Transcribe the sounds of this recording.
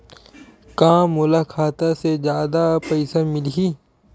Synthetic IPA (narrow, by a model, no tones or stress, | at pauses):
kãːmʊlaːkʰaːt̪ased͡ʒjaːd̪apəɪsamɪlɦiː